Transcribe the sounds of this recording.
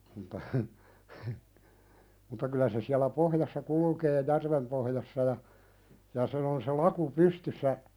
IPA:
m̆ŭtːɑ hə hə mutːɑ kylæ se siælæ pohjɑsːɑ kulukeː jærʋem pohjɑsːɑ jɑ jɑ sen on se lɑku pystysːæ

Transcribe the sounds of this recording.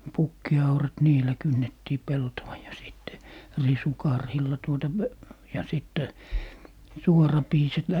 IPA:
pukːiɑurɑt niːlæ kynːetːiː peltowɑ jɑ siˑtːe risukɑrhilːɑ tuotɑ p jɑ sitːɛ suorɑpiːset

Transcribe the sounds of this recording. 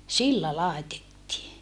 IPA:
silːæ lɑˑetetːiː

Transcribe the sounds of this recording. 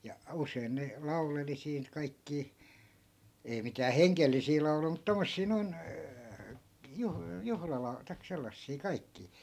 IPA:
jɑ usein ne lɑuleli siːn kɑikːiː ei mitæː heŋkelːisiː lɑu̞lui mut tomːosːiː noin juh juhlɑlɑ tɑik selːɑsːiː kɑikːiː

